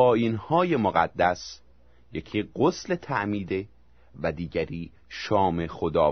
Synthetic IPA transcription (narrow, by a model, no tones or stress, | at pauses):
ɒːjiːnhɒːje̞moɣæ̰d̪ːæs | jecʰiːɢosle̞t̪ʰæʔmiːd̪e | væd̪iːɟæɾiː | ʃɒːme̞xod̪ɒː